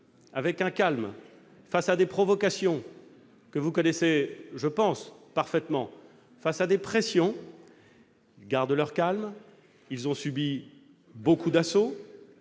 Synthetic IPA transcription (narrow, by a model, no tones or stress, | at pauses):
avɛkɛ̃kalm | fasad̪epχɔvɔkasjɔ̃ | kəvukɔnɛseʒəpɑ̃spaʁfɛt̪mɑ̃ | fasad̪epχɛsjɔ̃ | ilɡaʁd̪lœʁkalm | ilzɔ̃sybi | bokud̪aso